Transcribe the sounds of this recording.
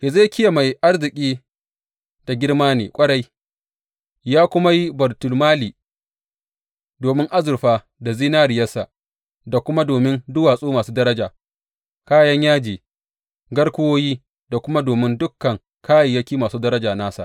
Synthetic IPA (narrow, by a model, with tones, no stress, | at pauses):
je˨za˦kʲɪ˦ja˨ma˨jʔa˦rzɪ˨kʲʼiː˦ | d̥a˨ɡʲɪ˦ɽmaː˦nḛː˨kʷʼɐ˦ɽa˦j | jaː˦kʷʊ˦ma˦ji˦bɐ˨rtʊ˨lmaː˦liː˨ | doː˨mɪ˦ŋʔa˦zʊ˨rɸaː˦ | da˨ziː˦naː˦ɽɪ˨jɐ˦sa̰˨ | da˨kʷʊ˦ma˦doː˨mɪ˦ndʊ˦waː˨sʼuː˦maː˨suː˦dɐ˦ɾɐ˦d͡ʒaː˨ | kaː˦jɐ˦ɲjaː˦d͡ʒiː˨ | ɡɐ˦ɽkʷʊ˦woː˦jiː˦ | da˨kʷʊ˦ma˦doː˨mɪ˦ndʊ˦kːɐ˨ŋ | kʰaː˦ji˨jɐ˦kʲiː˦maː˨suː˦dɐ˦ɾɐ˦d͡ʒaː˨naː˦sa̰˨ʔ